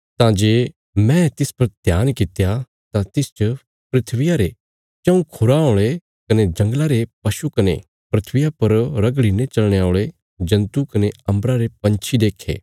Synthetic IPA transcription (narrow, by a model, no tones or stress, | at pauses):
t̪ãd͡ʒeː | mɛ̃t̪ɪspɐɾd̪ʱjaːnkɪt̪ja | t̪ãt̪ɪst͡ʃə | pɾɪt̪ʰʋɪjaɾe | t͡ʃɐ̃ũkʰʊɾaõːɭ̃e | kɐned͡ʒɐ̃ŋɡlaɾepɐʃukɐne | pɾɪt̪ʰʋɪjapɐɾɾɐɡɭinet͡ʃɐlɽ̃eaːʊɭe | d͡ʒɐ̃nt̪ukɐneɐ̃mbɾaɾepɐ̃nt͡ʃʰid̪eːkʰːḛː